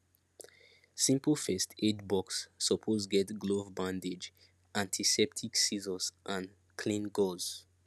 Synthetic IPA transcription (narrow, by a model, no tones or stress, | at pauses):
sĩmpl̩fɛstedbɔksːɔpʰosɡɛtɡlovbãnded͡ʒ | ãntʰisɛp̚tʰiksizɔsʔãn | kʰlĩnɡɔz̥